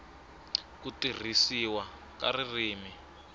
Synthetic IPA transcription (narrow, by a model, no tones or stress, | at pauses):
kutir̤isiwa | ka̰ririːmi